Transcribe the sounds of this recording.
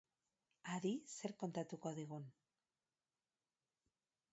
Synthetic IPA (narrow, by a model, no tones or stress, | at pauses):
aɾise̞ɾko̞nt̪at̪uko̞ðiɣun